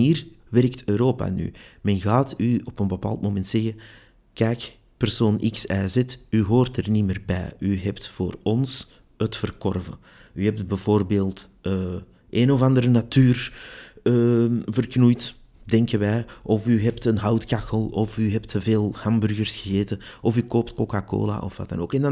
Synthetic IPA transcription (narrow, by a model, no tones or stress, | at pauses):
niːr | ʋɛrktøːɾoːpa̰ny̰mɛnɣaːtyɔpənbəpa̰ːlˠtmomɛntsɛɣə | kɛːk | pərsoːnʔɪksɛːzɛtyɦoːrtərniməːrbɛ̰ːyɦɛptfoːrɔns | hətfərkɔrvə̰ | yɦɛp̚t̚bɛvoːrbeːlˠt | əː | ʔeːnɔvɑndəɾənatyːr | əːvərknujt | dɛŋkəʋɛjʔɔfyɦɛptənɦɑwtkaxəlˠɔfyɦɛptəveːlˠhɑmbʏrɣərsxəɣeːtəɔfykoːp̚tkokako̰ːla̰ʔɔfwa̰ta̰noːkɛnd